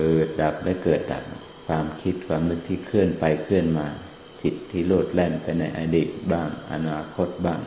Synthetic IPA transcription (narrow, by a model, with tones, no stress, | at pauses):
pɤː˨˩t̪̚da˨˩p̚lɛ˧˥˨kɤː˨˩t̪̚da̰˨˩p̚ | kʰwaː˧mkʰi˦˥t̪̚kʰwaː˧mnɯ˧˥k̚t̪ʰiː˧˩kʰɯ˥˩ənpa˧jkʰɯ˥˩ənmaː˧ | t͡ɕi˨˩t̪ʰːiː˧˥˩loː˥˩t̪̚lɛ˧˩npa˧jna˧jʔa̰˧diː˨˩t̪̚baː˥˩ŋʔa̰˧naː˧kʰo˧˥˩t̪̚baː˧˥˩ŋ